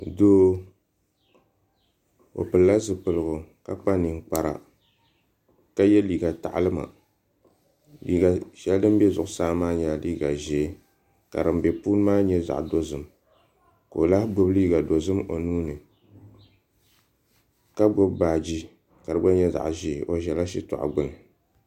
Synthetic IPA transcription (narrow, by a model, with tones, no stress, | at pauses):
doː˦ | o̰˨pɨ˨lla˦zɨ˨pɨ˨lɨ˨ɡʊ˨ka˦k͡pa˦nɨ˨ŋ˦k͡pa˨ɾa̰˨ | ka˦jɛ˦liː˨ɡa˨ta˨ʔlɨ˦ma̰˨ | liː˦ɡa˨ʃɛ˦ldɨ˦m˦bɛ˦zʊ˨ʔʊ˦saː˦˨˦maː˦ɲa˨liː˦ɡa˨ʒɛ˨˦ | ka̰˨ɾɨ˨m˦bɛ˨puː˦n˦maː˦ɲɛ˦za̰˨ʔdo˦zɨ˨m | ko˨o˨la˦hɡ͡bʊ˦bliː˦ɡa˨do˨zɨ˦mo˨nuː˦nɨ˨ | ka˦ɡ͡bʊ˦bbaː˨d͡ʒi˦ | ka˨ɾɨ˦ɡ͡ba˦ɲɛ˦za̰˨ʔʒi˦˨ʔo˨ʒɛ˨la˦ʃi˦tɔ̰˨ʔa̰˨ɡ͡bʊ˦nɨ˨